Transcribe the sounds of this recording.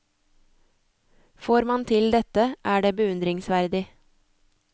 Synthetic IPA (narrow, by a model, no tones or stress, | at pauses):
foːɾmɑnt̪ʰɪld̪ɛt̪əʔæːɖeːbəʉnd̪ɾɪŋsʋæɾd̪ɪ